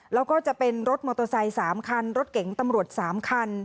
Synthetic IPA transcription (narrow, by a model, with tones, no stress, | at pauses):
lɛː˦˥wkɔː˥˩t͡ɕa˨˩pe˧nɾo˦˥t̪̚mɔː˧t̪o˧sa˧jsaː˩˦mkʰa˧nɾo˦˥t̪̚ke˩˦ŋt̪a˧mɾu˨˩ət̪̚saː˩˦mkʰa˧n